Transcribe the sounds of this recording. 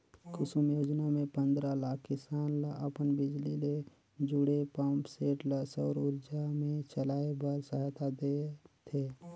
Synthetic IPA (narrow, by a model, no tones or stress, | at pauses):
kʊsumjoːd͡ʒnamẽpə̃nd̪ɾalaːkʰkɪsaːnləpənbɪd͡ʒlile | d͡ʒʊɽepãːmpseːʈləsɔːɾʊɾd͡ʒamẽt͡ʃəlaːebəɾsəɦat̪ʰad̪et̪ʰeː